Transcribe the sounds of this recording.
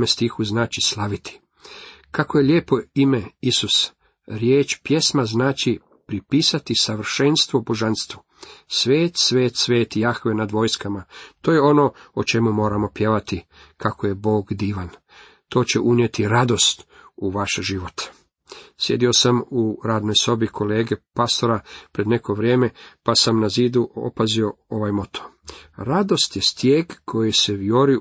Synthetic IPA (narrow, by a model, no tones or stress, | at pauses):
mest̪ixuznaːt͡ʃislˠaʋit̪ʰi̥ | kako̞je̞ljeːpo̞imeisus | ɾjeːt͡ʃpje̞smaznaːt͡ʃi | pɾipiːsat̪isaʋr̩ʃenst̪ʋobo̞ʒanst̪ʋu | sʋeːt̪sʋe̞ːt̪sʋe̞ːt̪ijaxʋenad̪ʋo̞ːjskamat̪oːje̞o̞no̞ot͡ʃe̞mumo̞ːɾamo̞pje̞ʋat̪i | kʰakoje̞bo̞ːɡd̪iːʋan | t̪o̞ːt͡ɕe̞ʔunje̞t̪iɾad̪o̞st̪ | uʋaʃʒiʋo̞t̪ | sje̞d̪io̞samuɾaːd̪no̞jso̞bikʰo̞leːɡe̞past̪o̞ɾapɾe̞d̪ne̞ko̞ʋɾje̞ːme̞pasamnaziːd̪uo̰pazio̞o̞ʋajmo̞t̪ʰo̥ | ɾad̪o̞st̪je̞st̪jeːɡkʰo̞jise̞ʋjo̞ɾi